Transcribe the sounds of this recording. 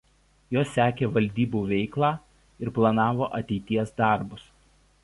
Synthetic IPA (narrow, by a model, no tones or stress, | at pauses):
joːsːʲæːkʲeːʋɐlʲd̪ʲiːbuːʋʲɛɪklˠɑː | ɪɾplˠɐnɑːʋoːʔɐt̪ʲɛɪt̪ʲiɛsd̪ɑˑɾbʊs